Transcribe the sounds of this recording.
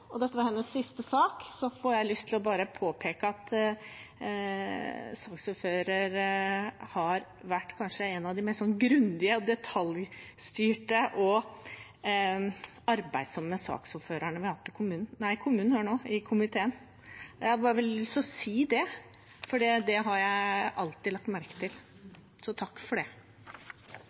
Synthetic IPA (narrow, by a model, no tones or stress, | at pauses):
ɔd̪ɛt̪ːəʋɑɾhɛnːəsːɪst̪əsɑːksɔfɔɾjæɪlʏst̪ʰɪlɔbɑːɾəpʰoːpʰeːkəɑt̪ | sɑːksɔføːɾəɾ | hɑɾ | ʋæʈːkʰɑnʂəɛnːɑʋd̪ɪmɛst̪sɔnɡɾʉnd̪ɪəd̪ɛt̪ʰɑlj | st̪yːʈəʔɔ | ɑɾbæɪd̪sɔmːəsɑ̰ːksɔføːɾəɳəʋɪhɑt̪ːɪkʰʊmʉːnn̩næɪkʰʊmʉːnn̩høːɳoːɪkʰʊmɪt̪ʰeːən | jæhɑbɑːɾəʋɛlɪst̪ɔsiːd̪ɛ | fɔɖiːd̪ɛɦɑɾjæɪʔɑlt̪ɪlɑk̚t̪mæɾkə̥t̪ʰɪl | sɔt̪ʰɑkːfɔɖɛ